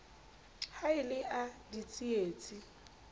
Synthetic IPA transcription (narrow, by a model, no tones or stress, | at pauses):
haɪlɪʔadit͡sʼieːt͡sʼi